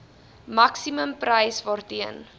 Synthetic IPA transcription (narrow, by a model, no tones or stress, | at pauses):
mɐksiməmprɐjsvɑːrtiən